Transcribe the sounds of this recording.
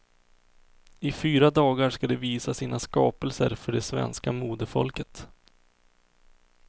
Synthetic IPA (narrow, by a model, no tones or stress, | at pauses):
ɪfyːɾad̪ɑːɡaʂkad̪ɛviːsasiːnaskɑːpəlsə̰ɾfœɖɛsvɛ̰nskamuːd̪əfɔ̰lkət̪